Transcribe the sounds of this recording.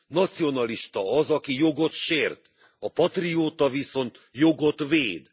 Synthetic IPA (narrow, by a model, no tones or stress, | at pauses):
nɒt̪sijo̞nɒliʃt̪ɒɒzɒkijo̞ɡo̞t̪ʃeːrt̪ | ɒpɒt̪rijoːt̪ɒviso̞nt̪jo̞ɡo̞t̪ʋeːd̪